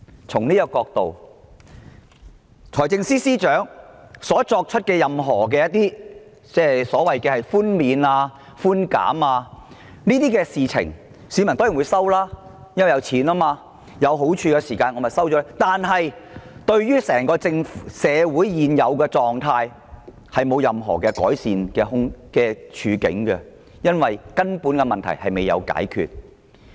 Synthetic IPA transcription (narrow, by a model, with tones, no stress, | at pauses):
t͡sʰʊ˨˩ŋniː˥jkɔː˧k̚t̪o̰˨w | t͡sʰɔː˨˩jt͡sɪ˧ŋsiː˥siː˥t͡ʃœː˨˥ŋsɔː˨˥t͡sɔː˧k̚t͡ʃʰɵ˥t̚kɛ˧jɐ˨mɦɔː˨˩k̬ɛː˧jɐ˥t̪̚iː˥ | t͡sɛː˥˩sɔː˨˥wɐ˨jkɛː˧hɐ˨jfuː˥nmiː˨˧naː˧ | fuː˥nka̰ː˨˥maː˧ | niː˥t̪iː˥kɛː˧siː˨t͡sʰɪ̰˨˩ŋ | siː˨˧mɐ˨˩nt̪o˥jwu˨˧jsɐ˥wlaː˥ | jɐ˥nwjɐ˨˧wt͡sʰiː˨˥naː˥maː˧ | jɐ˨˧wɦo˨˥wt͡ʃʰyː˧kɛ˧siː˨˩kaː˧nɔ˨˧mɐ˨˩sɐ˥wt͡ʃɔː˨˥˨t̪aː˨nɦɐ˨jt̪ɵ˧ɥjyː˥sɛː˨˩ŋkɔː˧t͡sɪ˧ŋfsɛː˨˧wuː˨˥jːiː˨njɐ˨˧wkɛː˧t͡sɔː˨ŋt̪ʰaː˧j | hɐ˨jmo˨˧wjɐ˨mɦɔ̰ː˨˩kɛ˧kɔː˨˥jsiː˨nkɛː˧ɦʊ˥ŋkɛː˧t͡ʃʰyː˨˧kɪ̰˨˥ŋkɛ˧ | jɐ˥nwɐ˨jkɐ˥npuː˨˥nkɛ˧mɐ˨nt̪ʰɐ̰˨˩jhɐ˨jme˨jɐ̰˨˧wka̰ː˨˥jkʰy̰ː˨˧t̚